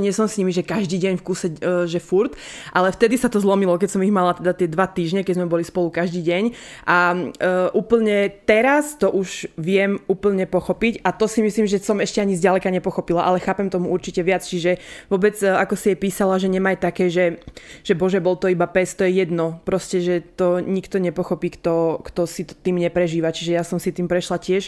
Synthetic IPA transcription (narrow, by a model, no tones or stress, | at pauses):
ɲɪɛsɔmsɲimiʒɛkaʒd̪iːɟɛɲfkuːsɛʒɛfuɾt̪ʔalɛft̪ɛd̪isat̪ɔzlɔmilɔkɛcsɔmiɣmalat̪ɛd̪at̪ɪɛd̪ʋat̪iːʒɲɛkɛɟzmɛbɔlispɔlukaʒd̪iːɟɛɲʔa | ʔuːpl̩ɲɛt̪ɛɾast̪ɔʔuʒʋɪɛmuːpl̩ɲɛpɔxɔpicat̪ɔsimisliːmʒɛsɔmɛʃcɛaɲizɟalɛkaɲɛpɔxɔpilaʔalɛxaːpɛmt̪ɔmuuɾt͡ʃicɛʋɪat͡st͡ʃiʒɛʋɔbɛd͡zakɔsijɛpiːsalaʒɛɲɛmajt̪akɛːʒɛʒ̥ɛbɔʒɛbɔlt̪ɔibapɛst̪ɔjɛjɛd̪nɔpɾɔscɛʒɛt̪ɔɲikt̪ɔɲɛpɔxɔpiːkt̪ɔkt̪ɔsit̪t̪iːmɲɛpɾɛʒiːʋat͡ʃiʒɛjasɔmsit̪iːmpɾɛʃlacɪɛʃ